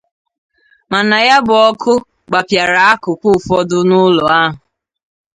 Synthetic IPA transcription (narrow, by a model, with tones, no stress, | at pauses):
ma˨na˨ja˦bʊ˨ɔ˦kʰʊ˦ | ɡ͡ba˨pja˨ɾa˨a˦kʊ˨kʷʊ˦˨fɔ˦dʊ˦nʊ˦lɔ˨a˦ɦʊ˨